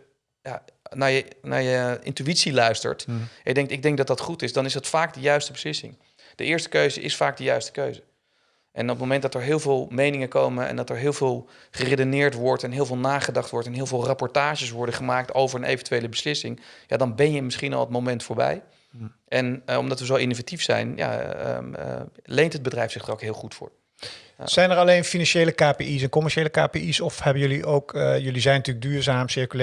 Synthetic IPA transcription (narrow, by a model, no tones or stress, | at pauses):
ja̰naːjəna̰ːjəʔɪ̰ntyitsilœɥstə̰ɹtjədɛŋktɪɡ̚dɛŋk̚dɑt̚dɑtχutɪsdɑnɪszdɑtfaːk̚dəjœɥstəbəslɪsɪ̰ŋ | d̥ə̰ʔɪːɹstə̥køɥzə̰ʔɪ̰sfaːk̚dəjœɥstə̥køɥzə | ʔɛ̰nɔpmowmɛ̃ntdɑtəɹɦɪːlˠvɪːlˠmejnɪŋəkowməɛ̰ndɑtɛɹɦɪːlˠvɪːlˠ | χəredonɪːɹtʋɔɹtɛnɦɪːlˠvɪːlˠnaːχədɑχtʋɔɹtɛnɦɪːlˠvɪːlˠrɑpɔɹtaːʒəsʋɔɹdəχəmaːk̚towvəɹənḛjvɛntyejləbəslɪsɪŋja̰ːdɑnbɛnjəmɪsχinɑ̰lˠətmowmɛntfʊːɹbɛ̰j | ɛnɔ̰mdɑtʋəzowɪnowvatifsɛ̰jnja̰ | lejntɦəd̚bədrɛjfsɪχdrokɦɪːlˠχutfʊ̰ːɹ | a̰z̥ɛjnɛɹɑlejnfinɑnʃejləkaːpeʔis̬ɛnkɔmɛɹʃejləkaːpeisɔfhɛbənjɵliʔowkːjɵlizɛjnətyːləɡ̚dyːɹzaːmsɪɹkyl